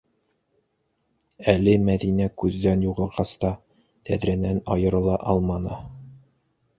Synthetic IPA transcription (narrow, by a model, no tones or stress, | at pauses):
ælɘmæðinækʉðːænjuʁɤ̆lˠʁɑst̪ɑ | t̪æðɾænænɑjɤ̆ɾɤ̆lˠɑʔɑlˠmɑnɤ